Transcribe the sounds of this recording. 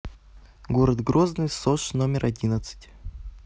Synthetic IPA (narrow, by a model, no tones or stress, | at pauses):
ɡoɾəd̪ɡɾoznɨjsoʂnomʲɪɾʔɐdʲinət̪sɨ̥tʲ